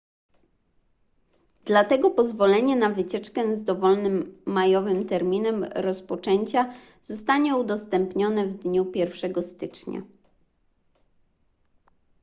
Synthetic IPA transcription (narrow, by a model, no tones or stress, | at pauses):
d̪̥lat̪ɛɡɔpɔzvɔlɛɲɛnavɘt͡ɕɛt͡ʂkɛzd̪ɔvɔlnɘmːajɔvɘmt̪ɛɾmʲinɛmɾɔspɔt͡ʂɛɲt͡ɕa | z̥ɔst̪aɲɛud̪ɔst̪ɛmpɲɔnɛvd̪ɲupʲjɛɾfʂɛɡɔst̪ɘt͡ʂɲa̰